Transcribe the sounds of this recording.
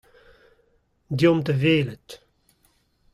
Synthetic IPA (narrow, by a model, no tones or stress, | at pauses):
d̪jɔmt̪əveːlət̪